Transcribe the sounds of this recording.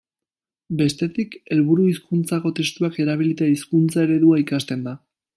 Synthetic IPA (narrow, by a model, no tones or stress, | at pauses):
be̞st̪e̞t̪ike̞lβuɾuiskunt͡sako̞t̪e̞st̪uake̞ɾaβ̞ilit̪eiskunt͡sae̞ɾe̞ðuaikast̪e̞nd̪a